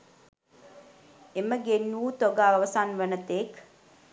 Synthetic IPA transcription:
eməɡenːuːt̪oɡaːʋəʋəsanʋənət̪ek

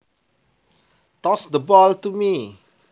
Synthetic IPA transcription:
tɔsdəbɔltumi

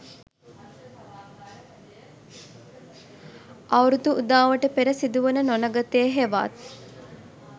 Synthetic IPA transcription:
awɾud̪uʔud̪aːʋəʈəpeɾəsid̪uʋənənonəɡət̪eːɦeʋa̰t̪

